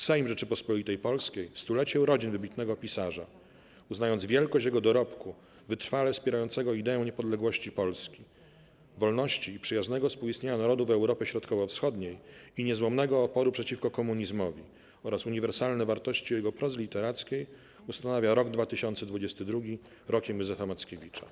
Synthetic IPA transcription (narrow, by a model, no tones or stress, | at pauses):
sɛjmʐɛt͡ʂɘpɔspɔlʲit̪ɛjpɔlskʲejst̪ulɛt͡ɕɛwɾɔd͡ʑinvɘbʲit̪nɛɡɔpʲisaʐa̰ | uznajɔndzvʲjɛlkɔɕt͡ɕjɛɡɔd̪ɔɾɔpku | vɘt̪ɾfalɛfspʲɛɾajɔnt̪sɛɡɔid̪ɛɛ̃w̃ɲɛpɔd̪lɛɡwɔɕt͡ɕipɔlskʲi | vɔlnɔɕt͡ɕiːpʂɛjaznɛɡɔspuwist̪ɲeɲanaɾɔd̪uvɛwɾɔpʲjɛɕɾɔt̪kɔvɔfsxɔd̪ɲejiɲɛzwɔmnɛɡɔːpɔɾupʂɛt͡ɕifkɔkɔmuɲizmɔvʲi | ɔɾasuɲivɛɾsalnɛvaɾt̪ɔɕt͡ɕijɛɡɔpɾɔzlʲit̪ɛɾat̪skʲej | ust̪anavʲjaɾɔɡd̪vat̪ɘɕɔnt̪sɛd̪vud͡ʑɛst̪ɘd̪ɾuɡʲi | ɾɔkʲɛmjuzɛfamat̪skʲevʲit͡ʂa̰